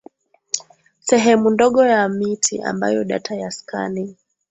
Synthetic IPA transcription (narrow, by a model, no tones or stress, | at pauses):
sɛɦɛmundɔɠɔjamitʰiʔa̰mba̰jɔɗatʰajaskʰa̰ni